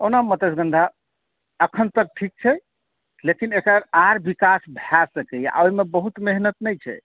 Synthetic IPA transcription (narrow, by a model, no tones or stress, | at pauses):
onamət̪esɡə̃nd̪ʱa | əkʰənt̪ək̚ʈʰik̚t͡ʃʰɛ | lekinekɾəɾaɾbikasbʱaɾsəkɛjʔa̰oimebəɦut̪meɦnət̪nɛjt͡ʃʰɛ̰